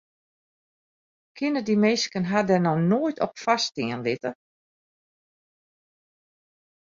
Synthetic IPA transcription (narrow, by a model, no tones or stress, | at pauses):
kʰɪnədimejskənɦadɛnɔnoːjtʰɔpfastɪənlɪtə